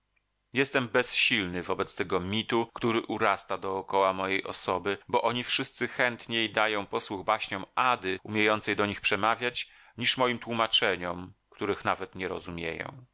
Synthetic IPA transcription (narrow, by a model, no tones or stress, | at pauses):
jɛst̪ɛmbɛsɕilnɘvɔbɛt̪st̪ɛɡɔmʲit̪ukt̪uɾɘʔuɾast̪ad̪ɔːkɔwamɔjejʔɔ̰sɔbɘbɔʔɔɲifʂɘst̪sɘxɛnt̪ɲejd̪ajɔ̃w̃pɔswuɣbaɕɲɔ̃w̃ad̪ɘumʲjejɔnt̪sɛjd̪ɔɲixpʂɛmavʲjat͡ɕ | ɲiʂmɔjimt̪wumat͡ʂɛɲɔmkt̪uɾɘxnavɛt̪ɲɛɾɔ̰zumʲjḛjɔ̰̃w̃